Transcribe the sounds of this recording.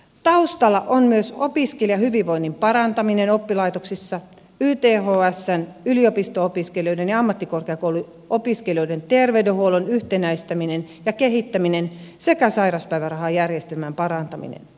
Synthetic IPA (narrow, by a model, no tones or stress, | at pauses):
t̪ɑust̪ɑlːɑʔonmyøsopiskelijɑhyʋiʋʋo̞inːimpɑɾɑnt̪ɑminenopːilɑit̪oksisːɑ | yːt̪eːɦoːæsːænyliopist̪oopiskelijo̞jdenjɑɑmːɑt̪ːikorkeɑkowlu | opiskelioident̪erʋeydehuolonyht̪enæist̪æminen | jɑkeɦit̪ːæminensekæsɑiɾɑspæiʋærɑhɑjærjest̪elmæmpɑɾɑnt̪ɑmḭnḛn